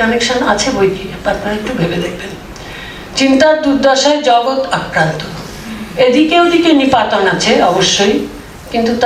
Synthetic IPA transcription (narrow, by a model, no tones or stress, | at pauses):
ɔnekʃonat͡ɕʰebojkiapapnaek̚ʈubʱebed̪ek̚ben | t͡ɕint̪aɾd̪uɾd̪ɔʃaed͡ʑɔɡot̪akɾant̪o | ed̪ikewd̪ikenipat̪onat͡ɕʰeɔboʃːoj | kint̪ut̪